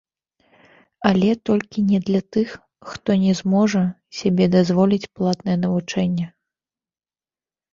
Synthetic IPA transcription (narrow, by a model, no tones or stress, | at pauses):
alʲɛt̪ɔlʲkʲinʲɛd̪lʲɐt̪ɨxː | t̪ɔnʲɛzmɔʐɐ | sʲabʲɛd̪azvɔlʲit͡sʲplˠat̪nɐjɛnɐvut͡ʂɛnʲːɛ